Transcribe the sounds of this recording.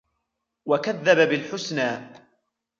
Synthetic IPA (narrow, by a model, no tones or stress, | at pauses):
wakaðːababɪlħʊsnaː